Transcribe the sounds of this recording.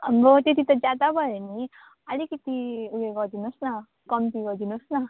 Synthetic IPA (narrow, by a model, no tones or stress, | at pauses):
ambɔt̪it̪it̪ɔd͡ʒad̪abəɾni | alikit̪iuɡeɡɔd̪inɔsna | kɔmt̪iɡɔd̪inɔsna